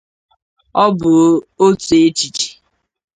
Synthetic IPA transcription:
ɔ˦bʊ˨o˦tu˨e˦t͡ʃi˨t͡ʃi̥˨

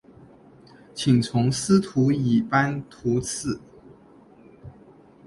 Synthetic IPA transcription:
t͡ɕʰi˨˩ŋt͡sʰʊ˧˦ŋs̩˥t̪ʰu˨˥˦i˨˩pa˦nt̪ʰu˨˧˥t͡s̩ʰ˥˩

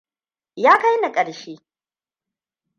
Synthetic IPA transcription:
jaː˦ka˦jna˨kʼɐ˨ɽʃeː˦

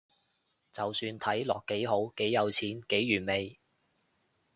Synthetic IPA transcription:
t͡sɐ˨wsyː˧nt̪ʰɐ˨˥jlɔ̰ː˨kːe˨˥jɦo˨˥wke˨˥jːɐ˨˧wt͡sʰiː˨˥nke˨˥jːyː˨˩nme˨j

